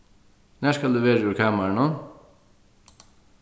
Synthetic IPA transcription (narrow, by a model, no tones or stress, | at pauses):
næːskɑld̪ʉːʋeːɾəʉːɾkʰɑːməɾɳɔn